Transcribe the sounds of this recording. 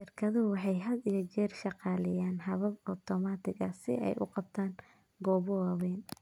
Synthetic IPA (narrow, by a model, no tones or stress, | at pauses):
ʃɪrkʰɐðʊwɑħɑjɦɐd̪ijɞt͡ʃɛːrʃɑqɑːlɛjaːnɦɐβɐbɔt̪ʰɔmat̪ʰɪɣɐsɪ̰ʔɛ̰jʔʊ̰qɑb̚t̪ʰaːŋ | ɡɔːβɔwɑːwɛːn